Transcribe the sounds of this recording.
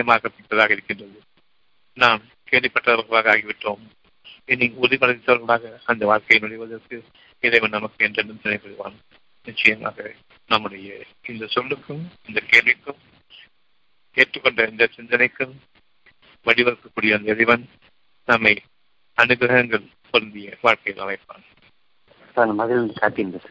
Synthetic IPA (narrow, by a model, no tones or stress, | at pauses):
ɐjɐmaːɣɐpːɪʈːɐðaːɣɐɪɾɪkːɪndrɐðɯ | naːm | keːɭʋipːɐʈːɐɐʋɐɣɐɭaːɣɐaːɣiʋɪʈːoːm | ɛnːiʊðipɐlɐðɪt̪ːɐʋɐɾɣɐɭaːɣɐɐnd̪ɐʋaːɭkɐjɪnʊɽɪʋɐðɐrkɯ | ɛðɐjʋɐmnɐmɐkːɯɛndɐɳɖɯmt̪ɐnɐɪpːɐɽɯʋa̰ːn | nɪt͡ʃːɐjɐma̰ːɣɐ | nɐmːɯɽɐjɐ | ɪnd̪ɐsɔɭːɯkːɯmɪnd̪ɐkeːlʋɪkːɯm | keːʈrɯkːɔɳɖɐɪnd̪ɐsɪnd̪ɐnɐɪkːɯm | ʋɐɽɪʋɐɾɯkːɐkːuːɽɪjɐnd̪ɐɛɻɪʋɐn | nɐmːɐɪ | ɐnɯɣɾɐɣɐŋɡɐɭ | pɔɾɐnd̪ɪjɐʋaːɭkɐjɪlʔɐ̰mɐɪpːa̰ːn | anɐmɐðɪlnkaːʈːinɐ